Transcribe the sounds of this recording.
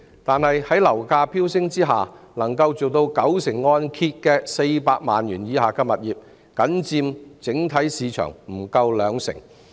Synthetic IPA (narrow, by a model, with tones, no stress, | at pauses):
t̪aː˨nhɐ˨jhɐ˨˥jlɐ˨˩wkaː˧pʰiː˥wsɪ˥ŋt͡siː˥ɦa̰ː˨nɐ˨˩ŋkɐ˧wt͡so˨wt̪o˧wkɐ˨˥wsɪ˨˩ŋːɔː˧nkʰi˧t̚kɛː˧se˧jpaː˧k̚ma̰ː˨njyː˨˩njiː˨˧haː˨˩kɛ˧mɐ˨t̚jiː˨p̚ | kɐ˨˥nt͡siː˧mt͡sɪ˨˥ŋt̪ʰɐ˨˥jsiː˧t͡ʃʰœ̰ː˨˩ŋm̩˨˩kɐ˧wlœː˨˧ŋsɪ̰˨˩ŋ